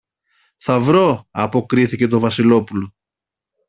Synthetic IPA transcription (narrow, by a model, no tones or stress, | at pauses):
θɐvɾo̞ɐpo̞kɾiθice̞t̪o̞vɐsilo̞pulo